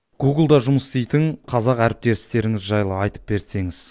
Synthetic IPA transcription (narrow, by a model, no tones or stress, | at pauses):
ɡ̥uɡɪlˠd̪ɑʒʊməst̪ejt̪ɪŋqʰɑzɑqæɾɪp̚t̪e̞ɾɪst̪e̞ɾɪŋɪzʒɑjlˠəɑjt̪ə̥p̚be̞ɾse̞ŋɪz̥